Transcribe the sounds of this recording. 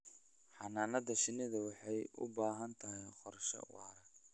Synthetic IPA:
ħɑnaːnɐðɐʃɪnɪðɐwɑħɑjʊ̰baːɦɐnt̪ʰɐɦɛqɔrʃɐ̰ʊ̰ɐɾɐ

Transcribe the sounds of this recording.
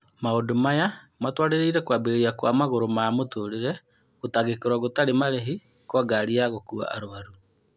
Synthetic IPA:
maodomaja | matwaɾeɾeiɾɛkwabeɾiakwamaɣoɾomaamotoɾeɾɛ | ɣotaɣekoɾwaɣotaɾemaɾeɦi | kwaɡaɾiaɣokua̰ʔa̰ɾoβaɾu

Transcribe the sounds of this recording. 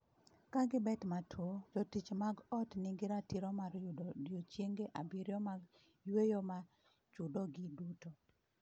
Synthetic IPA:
kaɡɪbɛtmatʰwod͡ʒɔtit͡ʃmaɡɔtnɪŋɡɪɾatiɾɔmaɾjjot͡ʃjeŋɡeʔabiɾjɔmaɡ | jwejoma | t͡ʃudoɡɪduto

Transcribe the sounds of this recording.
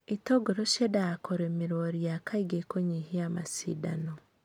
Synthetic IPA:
itoɡoɾoʃedakoɾemiɾoɾijakaiɡekoɲihiamasḭːdano

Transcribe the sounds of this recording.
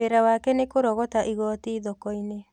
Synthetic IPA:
eɾawaːkɛnekoɾɔɣɔtaʔiɣɔtiːðɔkɔine

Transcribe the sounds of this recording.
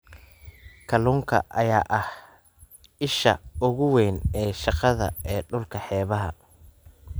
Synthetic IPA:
kʰɐluːŋkʰɐ̰ʔɐjaːʔɐh | ɪʃɐ̰ʊɣʊwɛːnɛːʃɑqɑðɐ̰ɛːɖʊlkʰɐħɛːβɐɦɐ̰

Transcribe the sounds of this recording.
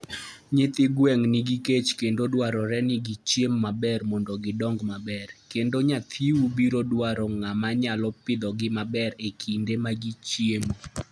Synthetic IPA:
ɲɪt̪ɪɡwɛŋniɡiket͡ʃkendodwaɾɔɾɛnɪɡit͡ʃjemːabɛrmɔndɔɡɪdɔŋɡmabɛrkendoɲat̪ʰiwubiɾodwaɾɔŋamaɲalɔpɪd̪ɔɡɪmabɛɾekʰindemaɡit͡ʃjemo

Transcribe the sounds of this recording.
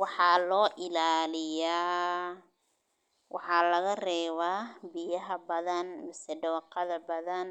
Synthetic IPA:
wɑħɑːlɔːʔɪlaːlɪjaː | wɑħɑːlɐɣɐrɛːβaːbɪjɐɦɐbɐðɐnmɪsɛɖɐwɑqɑðɐbɐðɐn

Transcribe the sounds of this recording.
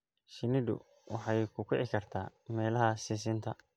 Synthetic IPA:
ʃɪnɪd̪ʊ̰ | wɑħɑjkʰʊkʰɛʕɪkʰɐrt̪ʰa̰ːmɛːlɐɦɐsɪs̬ɪnt̪ʰɐ

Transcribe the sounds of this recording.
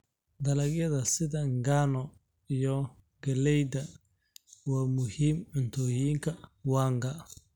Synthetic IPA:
d̪ɐlɐkjɐðɐsɪðɐŋɡaːnɔ | ijɔ | ɡɐlɛjd̪ɐ | waːmʊhiːmʕʊnt̪ʰɔːjiːŋkʰɐwaːŋɡɐ

